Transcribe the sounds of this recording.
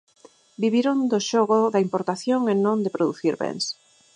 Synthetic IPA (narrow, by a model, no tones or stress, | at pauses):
biβiɾond̪ʊʃoɣʊðɐimpoɾt̪aθjoŋenõnd̪ɪpɾoðuθiɾβɛ̰ŋs